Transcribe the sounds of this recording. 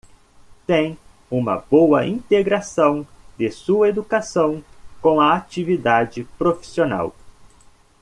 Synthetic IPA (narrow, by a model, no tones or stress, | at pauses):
t̪ẽj̃ | ũmɐ̰bowɐʔĩnt̪eɡɾasɐ̃w̃d̪ɪsuɐed̪ukasɐ̃w̃kõw̃ɐat͡ʃivid̪ad͡ʒɪpɾofi̥siona̰w